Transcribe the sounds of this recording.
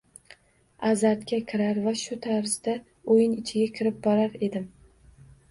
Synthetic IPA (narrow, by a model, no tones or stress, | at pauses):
azaɾt̪kʲakʲʰɪɾaɾvaʃʊt̪ʰaɾzd̪a | ojɪnɪt͡ʃʰɪɡʲakʲʰɪɾɪp̚bɒɾaɾe̞d̪ɪm